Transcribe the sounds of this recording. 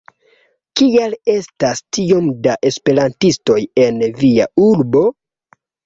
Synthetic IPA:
kiale̞stastio̞mdaʔe̞spe̞ɾantisto̞je̞nvia̰uɾbo̞

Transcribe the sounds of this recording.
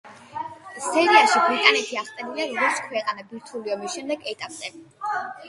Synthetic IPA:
sɛɾiaʃibɾit̪ʼanɛt̪ʰiaχt̪ʼɛniliaɾɔɡɔɾt̪sʰkʰwɛqʼanabiɾt̪ʰuliɔmisʃɛmd̪ɛɡɛt̪ʼapʼzʼɛ

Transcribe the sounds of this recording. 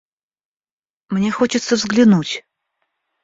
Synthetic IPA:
mnʲexot͡ɕɪt̪səvzɡlʲɪnutʲ

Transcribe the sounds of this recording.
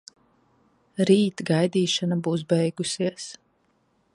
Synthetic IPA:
ɾiːt̪ɡajd̪iːʃanabuːs̬bɛjɡusiɛs

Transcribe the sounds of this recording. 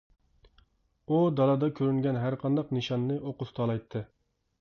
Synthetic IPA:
ud̪ɑlˠɑd̪ɑkʲʰøɾyŋɡʲɛnɦæɾqʰɑnd̪ɑqnɨʃɑnːɨʔoqʊt̪t̪ʰɑlˠɑjt̪ʰːɨ

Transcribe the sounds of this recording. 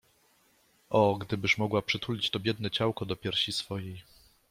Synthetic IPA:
ʔɔɡd̪ɘbɘʂmɔɡwapʂɘt̪ulʲit͡ɕt̪ɔbʲjɛd̪nɛt͡ɕawkɔd̪ɔpʲjɛɾɕisfɔjej

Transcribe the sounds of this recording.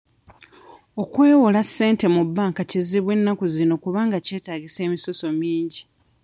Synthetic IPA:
o̞kwe̞ːwolasːe̞ːnte̞mubːaːŋkaciziβwe̞nːakuzino̞kuβaːŋɡace̞ːtaːɟise̞ːmiso̞so̞miːɲɟi

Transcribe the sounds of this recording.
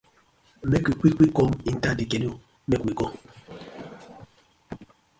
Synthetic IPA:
mɛkikwikwikɔmin̩tadikɛlio | mɛkikɔ

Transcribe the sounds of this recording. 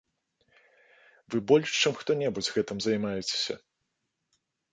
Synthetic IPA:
vɨbɔlʲʂt͡ʂɨmxt̪ɔnʲɛbud͡zʲɣɛt̪ɨmzɐjmajɛt͡sʲe̥sʲɐ̰

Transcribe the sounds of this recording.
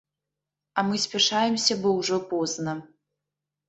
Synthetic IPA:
ɐmɨsʲpʲɛʂajɛmsʲɐbɔwʐɔpɔznɐ

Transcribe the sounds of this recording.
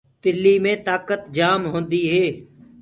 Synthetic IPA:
t̪ɪlːiːmẽːt̪aːkət̪d͡ʒaːmɦõːnd̪iːɦeː

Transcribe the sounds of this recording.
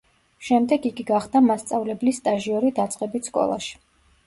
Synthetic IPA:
ʃɛmd̪ɛɡiɡiɡaχd̪amast̪sʼavlɛblist̪ʼaʒiɔɾid̪at̪sʼqʼɛbit̪skʼɔ̰lˠa̰ʃi̥

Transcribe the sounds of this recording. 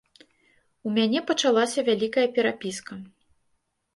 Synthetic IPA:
umʲanʲɛpɐt͡ʂalˠasʲɐvʲalʲikɐjɐpʲɛɾapʲiskɐ

